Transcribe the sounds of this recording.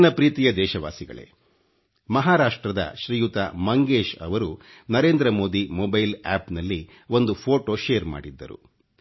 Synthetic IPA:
nɐpɾiːt̪ijɐd̪ɛːʃɐʋa̰ːsiɡɐ̰ɭe̞̰ | mɐɦaːɾaːʂʈɾɐd̪ɐ̰ʃɾijut̪a̰mɐŋɡeːʃɐ̰ʋɐɾu | nɐɾe̞ːnd̪ɾɐmo̞ːd̪imoːbɐjla̰ːpnɐlːi | o̞nd̪upʰo̞ːʈoːʃeːɾma̰ːɽid̪ːɐ̰ɾṵ

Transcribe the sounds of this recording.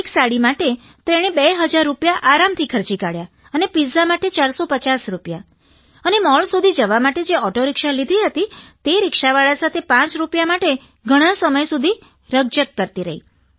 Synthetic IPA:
eksaɽimaʈe | t̪ɾeɽ̃ebeɦəd͡ʒaɾːupjaʔaɾamt̪ʰikʰəɾt͡ʃikaɽja | ənepizamaʈet͡ʃaɾsopət͡ʃasɾupja | ənemɔɭsud̪ʱid͡ʒəʋamaʈed͡ʒeɔʈoɾɪkʃalid̪ʱiɦət̪it̪eɾɪkʃaʋaɭasat̪ʰepãt͡ʃɾupjamaʈe | ɡʱəɽ̃asəməjsud̪ʱi | ɾəɡ̚d͡ʒəkːəɾt̪iɾə̰ɦḭ

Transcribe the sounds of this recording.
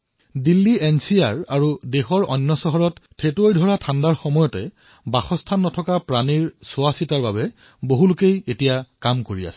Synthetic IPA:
dilːiɛnsiaɹaɹudexɔɹɔ̰nːɔsɔɦɔɹɔttʰːetojdʱɔɹatʰandaɹxɔmɔjɔtɛ | baxɔstʰanːɔtʰɔkapɹaniɹsʊasitaɹbabɛ | boɦulʊkejetijakamkoɹia̰sɛ̥

